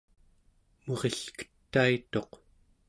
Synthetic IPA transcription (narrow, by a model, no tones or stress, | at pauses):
moʁeɬkə̥t̪ːait̪o̞q